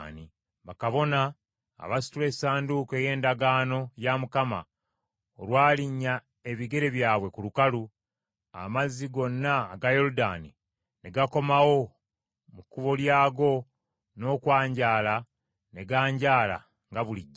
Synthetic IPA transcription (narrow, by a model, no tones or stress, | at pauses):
ni | βakaβo̞na̰ː | βasi̥tule̞saːnduke̞ːje̞ːndaɡaːno̞jamukama̰ | olwaːliɲːa | e̞βiɡe̞ɾe̞βjaːβwe̞kulukalu | a̰maziɡo̞nːaɡajo̞luda̰ni | ne̞ɡako̞mawo̞ | mukːuβo̞ljaːɡo̞ | no̞ːkwaːɲɟaːla | ne̞ɡaːɲɟaːla̰ | ŋɡaβuliɟːa